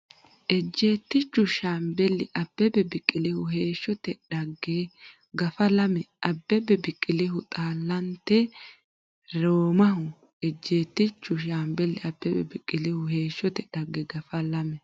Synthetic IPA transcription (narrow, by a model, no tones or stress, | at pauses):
ʔɛd͡ʒːe̞ːt̪ːɪt͡ʃːʊʃaːmbɛlːɪʔɐb̥ːɛbɛbɪkʼːɪlɪhʊɦe̞ːʃːɔt̪ɛᶑɐɡːe | ɡɐfɐlɐmɛʔɐbːɛbɛbɪkʼːɪlɪɦʊt̪ʼaːlːɐnt̪ːɛ | ɾoːmɐɦʊ | ɛd͡ʒːe̞ːt̪ːɪt͡ʃːʊʃaːmbɛlːɪɐbːɛbɛbɪkʼːɪlɪhʊhe̞ːʃːɔt̪ɛᶑɐɡːɛɡɐfɐlɐmɛ